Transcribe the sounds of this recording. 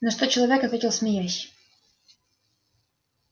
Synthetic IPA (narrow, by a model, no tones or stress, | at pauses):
nɐʂt̪ot͡ɕɪlˠɐvʲekɐt̪vʲetʲɪlˠsmʲɪjasʲ